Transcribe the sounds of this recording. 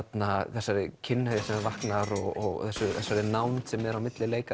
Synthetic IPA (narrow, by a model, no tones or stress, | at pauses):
t̪naθɛsːaɾɪcʰɪnːhœjasɛmavahknaɾɔɣɔɣ̰θɛsːʏθɛsːaɾɪnawnt̪sɛmɛɾawmɪt̪lɪleːjka